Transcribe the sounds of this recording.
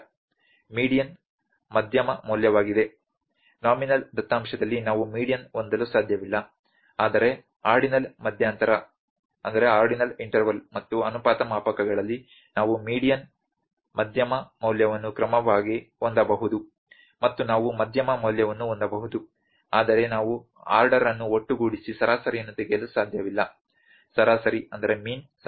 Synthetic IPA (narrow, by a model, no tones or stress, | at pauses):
miːɽijɐn | mɐd̪ʱjɐmɐmɐːljɐʋaːɡid̪e̞ | naːminɐld̪ɐt̪ːaːmʃɐd̪ɐlːinaːʋumiːɽijɐnond̪ɐlusaːd̪ʱjɐʋilːɐ | aːd̪ɐɾe̞ | aːɾɖinɐlmɐd̪ʱjaːnt̪ɐɾɐ | ɐnd̪ɐɾe̞aːɾɖinɐliɳʈɐɾʋɐlmɐt̪ːuɐnupaːt̪ɐmaːpɐkɐɡɐɭɐlːi | naːʋumiːɽijɐn | mɐd̪ʱjɐmɐmɐwljɐʋɐnːukɾɐmɐʋaːɡiond̪ɐbɐɦud̪u | mɐt̪ːunaːʋumɐd̪ʱjɐmɐmɐwljɐʋɐnːuond̪ɐbɐɦud̪u | aːd̪ɐɾe̞naːʋu | a̰ːɾɖɐɾɐnːuoʈːuɡuːɽisisɐɾʔaːsɐɾijɐnːut̪eɡjɐlusaːd̪ʱjɐʋilːɐ | sɐɾaːsɐɾiɐnd̪ɐɾe̞miːns